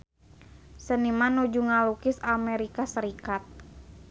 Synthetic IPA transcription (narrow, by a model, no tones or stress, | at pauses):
sənimanud͡ʒuŋalukɪsamɛɾikasəɾikat̪̚